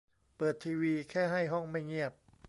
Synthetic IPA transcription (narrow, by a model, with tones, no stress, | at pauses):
pɤː˨˩t̪ʰːiː˧wiː˧kʰɛː˥˩ɦa˥˩jɦɔ˥˩ŋma˥˩jŋi˥˩əp̚